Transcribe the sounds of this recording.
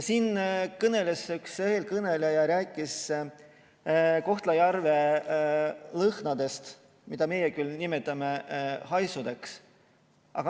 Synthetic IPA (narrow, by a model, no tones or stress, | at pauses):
siːnkɤne̞lesyksehelkɤne̞lejɑɾæːkːˑis | ko̞ht̪lɑjɑrve̞ | lɤhnɑd̪e̞st̪ | mid̪ɑme̞jekylnimet̪ːˑɑme̞hɑjsud̪̥e̞ks | ʔɑ̰ɡ̥ɑ